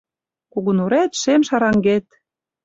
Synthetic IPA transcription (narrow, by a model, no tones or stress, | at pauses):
kuɣunuɾæt̪ʃemʃɑɾɑŋɡet̪̚